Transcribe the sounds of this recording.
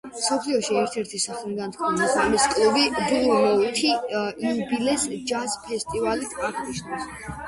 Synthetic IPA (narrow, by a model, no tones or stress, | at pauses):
msɔpʰliɔʃiɛɾt̪ʰɛɾt̪ʰisaχliɡ̪ant̪ʰkʰɔnaχamiskʼlubid̪uumɛut̪ʰiiubilɛsd͡ʒaspʰɛst̪ʼivalit̪ʰaʁniʃnas